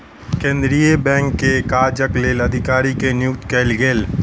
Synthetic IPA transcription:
kẽːnd̪ɾijebɛ̃ːŋkːekaːd͡ʒəkleːlɐd̪ʱɪkaːɾikenɪjʊkt̪kɛːlɡeːl

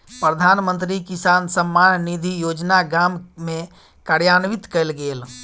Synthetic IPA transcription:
pɾəd̪ʱaːnmənt̪ɾikisaːnsəmːannid̪ʱijod͡ʒnaɡammẽ | kaɾjanʋit̪kəlɡel

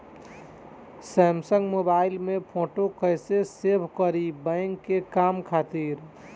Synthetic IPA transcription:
sɛːmsəŋɡmoːbaːɪlmẽpʰoːʈokəɪsesebʱkəɾibə̃ɪŋɡkːekaːmkʰaːt̪iːɾ

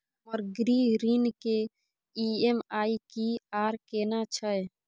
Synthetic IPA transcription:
ɔːɾɡɾiɾiːnke | iemaːikiaːɾkeːnat͡ʃʰəj

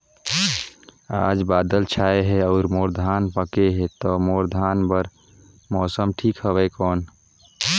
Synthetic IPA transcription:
aːd͡ʒbaːd̪əlt͡ʃʰaːeɦɛɔːɾmoːɾd̪ʱanpəkeɦɛt̪ɔmoːɾd̪ʱaːnbəɾ | mɔːsəmʈʰikɦəbɛkɔːn

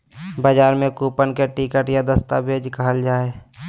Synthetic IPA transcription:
baːd͡ʒaːɾmẽkuːpənkeʈikəʈjad̪əst̪abʱeːd͡ʒkaɦəld͡ʒaːe

